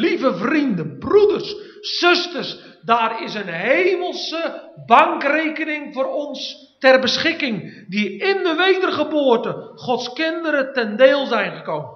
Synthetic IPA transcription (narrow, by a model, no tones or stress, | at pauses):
livəvrindənbrudərsː | ʏstərs | daːrɪsənɦeːməlˠsəbaŋkreːkənɪŋvoːrɔns | tɛrbəsχɪkɪŋdiɪndəʋeːdərχəboərtəχɔtskɪndəɾətɛndeːlˠzɛjnχəkoːmə